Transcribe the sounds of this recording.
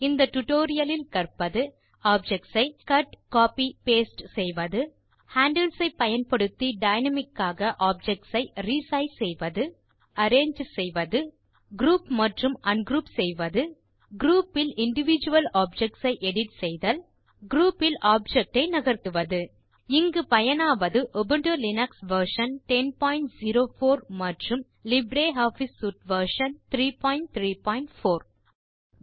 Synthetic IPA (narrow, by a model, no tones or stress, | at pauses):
ɪnd̪ɐʈʊʈoːɾɪjɐlɪlkɐrpɐðɯ | aːb̚d͡ʒɛk̚ʈsɐɪkɐʈkaːpipeːsʈsɛjʋɐðɯ | haːɳɖɐlsɐɪpːɐjɐnpɐɽɯt̪ːiɖɐɪnɐmɪkːaːɣɐʔaːb̚d͡ʒɛk̚ʈsɐɪɾisɐjsɛjʋɐðɯ | ɐɾeːɲd͡ʒsɛjʋɐðɯ | ɡɾuːpmɐʈrɯmʔɐnɡɾuːpsɛjʋɐðɯ | ɡɾuːpːɪlɪɳɖɪʋɪd͡ʒɯʋɐlaːb̚d͡ʒɛk̚ʈsɐɪʔɛɽɪʈsɛjðɐl | ɡɾuːpːɪlʔaːb̚d͡ʒɛk̚ʈɐɪnɐɣɐɾt̪ɯʋɐðɯ | ɪŋɡɯpɐjɐnaːʋɐðɯʔɔbɯɳɖɯlɪnɐksʋɐɾʂɐnʈɛnpaːɪɳʈziɾoːfoːɾmɐʈrɯm | lɪbɾeːɦaːfisːuːʈʋɐɾʂɐnt̪ɾiːpaːɪɳʈ̚t̪ɾiːpaːɪɳʈfoːɾ